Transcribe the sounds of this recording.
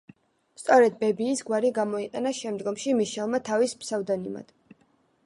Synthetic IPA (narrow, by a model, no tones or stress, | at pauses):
st̪sʼɔɾɛd̪bɛbiːsɡwaɾiɡamɔiqʼɛnaʃɛmd̪ɡɔmʃimiʃɛlˠmat̪ʰavispsavd̪anima̰d̪̥